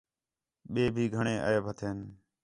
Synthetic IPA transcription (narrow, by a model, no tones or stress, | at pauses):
ɓeːbʱiːɡʱəɳẽːʔə̰eːbʱət̪ʰeːn